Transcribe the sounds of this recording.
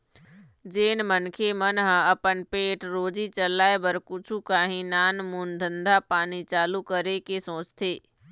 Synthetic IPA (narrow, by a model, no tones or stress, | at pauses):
d͡ʒeːnmənkʰemənɦɐpənpeːʈɾoːd͡ʒit͡ʃəlaːebəɾkʊt͡ʃʰukaːɦĩnaːnmuːnd̪ʱə̃nd̪ʱapaːnit͡ʃaːlukəɾekesõːt͡ʃt̪ʰeː